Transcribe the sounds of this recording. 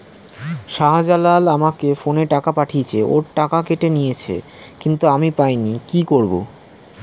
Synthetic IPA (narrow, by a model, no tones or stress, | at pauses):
ʃaɦad͡ʑalalamakefoneʈakapaʈʰiet͡ɕʰeʔo̰ɾʈakakeʈenijet͡ɕʰḛ | kint̪uamipajnikikoɾbo̰